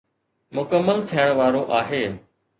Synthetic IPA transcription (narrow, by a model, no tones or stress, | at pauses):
mʊkəmːəlt̪ʰijəɽ̃ʋaːɾoʔaːɦeː